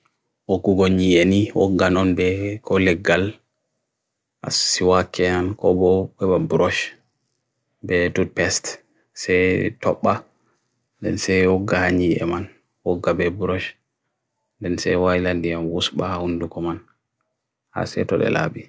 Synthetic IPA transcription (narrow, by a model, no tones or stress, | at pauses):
ʔoɡuɡɔɲieniwɔ̰ɡːanɔnbɛkʰɔlɛɡːal | ʔa̰sːiwakʰːɛankɔbɔɓɛbabuɾɔʃ | bɛtud̚pɛst | sɛjtɔ̰ɓːa | ndɛ̰nsɛjɔɡːahaɲiɛ̰man | wɔɡːabɛbuɾɔʃ | ndɛnsɛwajlandijamwusɓahahundukɔman | ha̰sɛ̰tɔɗɛ̰la̰ɓi